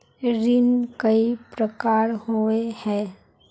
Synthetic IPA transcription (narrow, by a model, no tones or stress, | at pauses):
ɾɪnkəipɾəkaːɾɦoehɛ̃ː